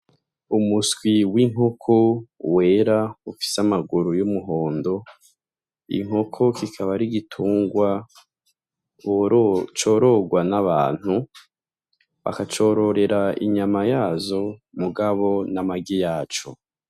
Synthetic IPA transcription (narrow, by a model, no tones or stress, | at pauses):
umusɡwiwiŋɦo̞kʰowe̞ːɾaufi̥samaɡuɾujumuɦo̞ːndo̞ | ḭŋ̥ɦo̞kʰo̞kikʰaβaɾiɡitʰuːŋɡwa | t͡ʃo̞ɾo̞ɡwanaβa̰ːn̥hu | βa̰kat͡ʃo̞ːɾo̞ɾe̞ɾaḭɲamajaːzo̞muɡaβo̞namaɡijaːt͡ʃo̞̰